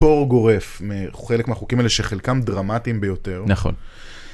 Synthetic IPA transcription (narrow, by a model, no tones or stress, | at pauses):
o̞ʁɡo̞ʁefmeχelekmeaχukimaeleʃeχelkamdʁamatimbejo̞te̞ʁnaχo̰n